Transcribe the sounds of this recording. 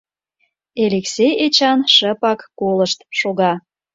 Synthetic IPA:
eleksejet͡ɕɑnʃəpɑkːoləʃt̪ʃoɣɑ

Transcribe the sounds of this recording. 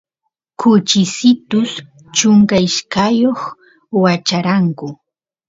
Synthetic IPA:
kʰʊt͡ʃɪsɪt̪ʊs | t͡ʃʊŋkaɪʃkajoχ | wat͡ʃaɾaŋkʊ

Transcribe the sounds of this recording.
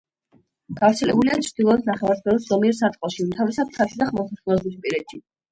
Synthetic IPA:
ɡ̥avɾt̪sʰɛlɛbuliat͡ʃʰɾd̪̥ilˠɔɛsnaχɛvaɾsbɛlɔsz̥ɔmiɛɾsat̪ʼqʼɔʃiut̪ʰavisad̪̚t̪ʰaɾʃid̪aχmɔsasɛlɔbispʼiɾɛt̪ʰi

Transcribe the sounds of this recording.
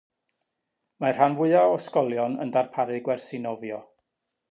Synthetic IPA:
mar̥anvʊɨaɔskɔlˠjɔnə̰ndarpʰaɾɨɡwɛrsɪnɔvjɔ

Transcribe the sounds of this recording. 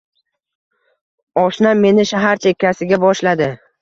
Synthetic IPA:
ɒʃnaːe̞nɪʃaɦaɾt͡ʃʰekʲʰːasɪɡʲabɒʃlad̪ɪ

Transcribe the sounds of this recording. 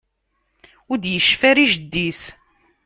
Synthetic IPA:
ʊɾd̪jəʃːfæɾiʒd̪ːis

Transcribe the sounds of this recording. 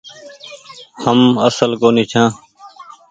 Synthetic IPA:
həməsəlɡoːnĩːt͡ʃʰãː

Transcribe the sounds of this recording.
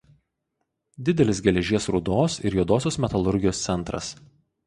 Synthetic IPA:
d̪ʲɪd̪ʲɛlʲɪs̬ɡʲɛlʲɛʒʲiɛsɾʊd̪oːsɪ̰ɾjuɔd̪oːsʲoːsmʲɛt̪ɐlˠʊɾʲɡʲɪjoːst̪sʲɛnˑt̪ɾɐ̰s

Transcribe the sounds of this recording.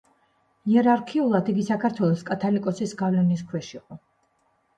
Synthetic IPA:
iɛɾaɾkʰiulˠad̪ʰiɡisakʰaɾt̪ʰwɛlˠɔskʼat̪ʰalikʼɔsisɡavlɛniskʰwɛʃiqʼɔ

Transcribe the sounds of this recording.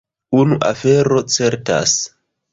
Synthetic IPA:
unuʔafe̞ɾo̞t͡se̞ɾta̰s

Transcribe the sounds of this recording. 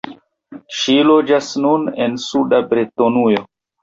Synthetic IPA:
ʃilod͡ʒasnunensudabɾitonujo

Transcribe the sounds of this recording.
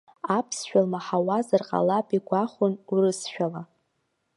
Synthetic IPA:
apʰsʃᶣalmaħawazarqʼa̰lapʼiɡʷaχʷʊnurɨsʃᶣala

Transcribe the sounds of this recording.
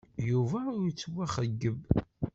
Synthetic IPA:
juvæʊɾt͡sːwæχəɡːəb

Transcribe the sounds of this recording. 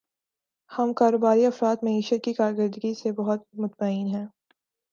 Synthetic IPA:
hɐmkaːɾoːbaːɾiɐfɾaːt̪mɐiːʃət̪̚kikaːɾɡəɾd̪əɡisebɐɦʊt̪̚mʊt̪maiːnɦɛ̃ː

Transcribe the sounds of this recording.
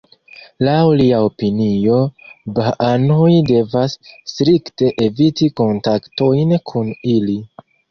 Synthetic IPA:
lawliaopinio̞baʔanojde̞vasːtɾikte̞ʔevitiko̞ntakto̞jnkʰunili

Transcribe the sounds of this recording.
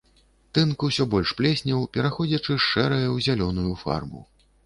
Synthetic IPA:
t̪ɨnkusʲɔbɔlʲʂplʲɛsʲnʲɐwpʲɛɾaxɔd͡zʲɐt͡ʂɨʂt͡ʂɛɾɐjɐwzʲalʲɔnujufa̰rmṵ

